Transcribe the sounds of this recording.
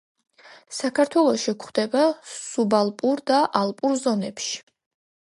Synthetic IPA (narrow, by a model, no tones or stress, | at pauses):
sakʰaɾt̪ʰwɛlˠɔʃikʰχd̪ɛbasubalˠpʼuɾd̪aʔalˠpʼuɾzɔnɛpʃi̥